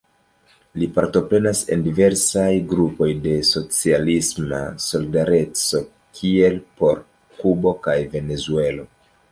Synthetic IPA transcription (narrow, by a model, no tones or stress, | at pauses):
lipaɾto̞pɾe̞nase̞̰ndive̞ɾsajɡɾupo̞jde̞so̞t͡sialisma̰so̞lidaɾe̞t͡so̞ | kʰie̞lpo̞ɾ | kubo̞kajve̞ne̞zue̞lo̞